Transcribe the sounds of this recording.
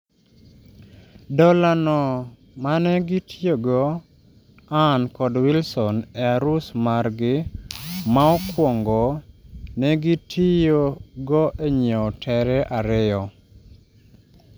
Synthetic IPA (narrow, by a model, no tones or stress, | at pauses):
dɔlanɔ | manɛɡitʰijoɡɔ | ankɔdwilsɔnɛaɾusmaɾɡɪ | maɔkwɔŋɡɔnɛɡitʰijoɡɔʔeɲeɔtʰɛɾɛʔaɾɪɔ